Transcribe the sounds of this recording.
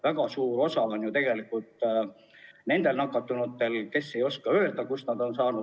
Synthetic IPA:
væɡ̥ɑsuːɾo̞sɑo̞njut̪e̞ɡ̥e̞likːˑult̪ˑ | ne̞nd̪̥e̞lnɑkːˑɑt̪ːˑunut̪ːe̞lke̞sːe̞jo̞skɑøːld̪ɑkusnɑd̪̥o̞nsɑːnud̪

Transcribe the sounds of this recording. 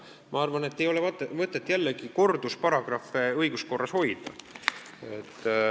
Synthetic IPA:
mʔɑɑrvɑne̞t̪ːejo̞levɑt̪vɤt̪ˑːet̪ːˑjælːeɡ̥iko̞rd̪uspɑɾɑɡ̥rɑfeɤjɡ̥usko̞rːɑsho̞jd̪̥ɑ | et̪ːˑ

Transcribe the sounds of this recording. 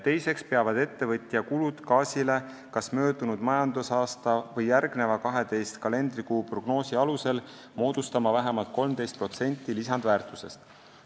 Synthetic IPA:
t̪e̞jse̞kspe̞ɑvɑd̪̥e̞t̪ːe̞vɤt̪ʲːˑjɑkulud̪̥kɑːsʲile̞ | kɑsmø̞ːd̪unud̪̥mɑjɑnd̪usɑːst̪ɑvɤjːærɡne̞vɑkɑɦe̞d̪e̞jst̪kɑle̞nd̪rikuːpro̞ɡ̥no̞ːsiɑluse̞l | mo̞ːd̪̥ust̪ɑmɑvæɦemɑlt̪̚ko̞lmd̪e̞jst̪pro̞t̪se̞nʲt̪ˑːilisɑnd̪væːrt̪ˑuse̞st̪

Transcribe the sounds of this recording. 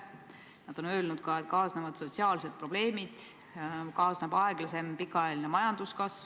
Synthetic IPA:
nɑd̪̥o̞nø̞ːlnud̪̥kɑet̪kɑːsnevɑd̪̥so̞t̪siɑːlse̞t̪̚pro̞b̥le̞ːmid̪̥ | kɑːsnebɑeɡ̥lɑse̞mpikːˑɑɑelinemɑjɑnd̪̥uskɑs

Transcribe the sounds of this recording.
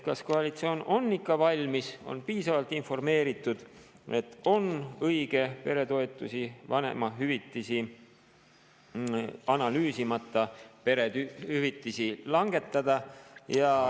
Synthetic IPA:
kɑsko̞ɑlit̪sio̞ːno̞nːikːɑvɑlʲmiso̞̰npiːsɑvɑlt̪ːˑinfo̞rme̞ːɾit̪ːˑud̪̥ | e̞t̪ːˑo̞nɤiɡ̥e̞pe̞ɾe̞t̪o̞et̪ːˑusivɑne̞̰mɑɦyvit̪ːˑisi | ɑnɑlyːsimɑt̪ːˑɑpeɾehyvit̪ˑːisilɑŋɡ̥e̞t̪ːˑɑd̪̥ɑjɑ

